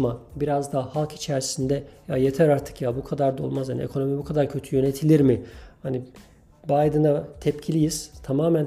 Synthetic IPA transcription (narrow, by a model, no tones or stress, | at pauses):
mabiɾazd̪ahalˠki̥t͡ʃʰæɾsind̪ɛjajet̪ʰæɾaɾt̪ʰɯ̥kjabukʰad̪aɾd̪o̞̰lˠmazhanḭḛkʰo̞no̞mibukʰad̪aɾcʰø̞t̪ʰyjø̞net̪ʰilʲiɾmɪhani | bajd̪ɯnat̪ʰɛpcʰilʲijiz̥t̪ʰamaːmæn